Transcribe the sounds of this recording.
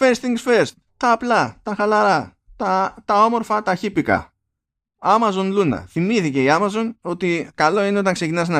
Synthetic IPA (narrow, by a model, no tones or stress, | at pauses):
fest̪iŋɡsfeɾs | t̪ɐːplɐt̪ɐxɐlɐɾɐ | t̪ɐt̪ɐo̞mo̞ɾfɐt̪ɐçipikɐ̰ | ɐmɐzo̞nlunɐ̰θimiθice̞iɐmɐzo̞no̞t̪ikɐlo̞ineo̞t̪ɐŋkse̞cinɐst̪en